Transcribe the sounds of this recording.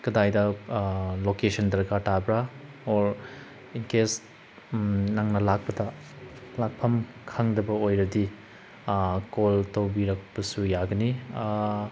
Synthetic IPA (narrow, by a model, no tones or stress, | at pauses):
kɐdajdɐ | lokesʰɐndɐɾkatabɾa | oɾ | inkes | naŋnɐlak̚pɐdɐ | lak̚pʰɐmkʰaŋdɐbɐojɾɐdi | koltowbiɾɐk̚pɐsujaɡɐni